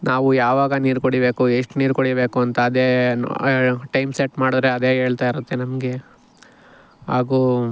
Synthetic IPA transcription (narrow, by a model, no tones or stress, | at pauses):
naːʋujaːʋaːɡɐniːɾkoɽibe̞ːkueʂʈniːɾkoɽibe̞ːkuɐnt̪ɐːd̪eː | ʈɐjmseʈmaːɽud̪ɾeɐd̪e̞ːɦe̞ːɭt̪aːiɾut̪ːenɐmɡe̞ | ɦaːɡu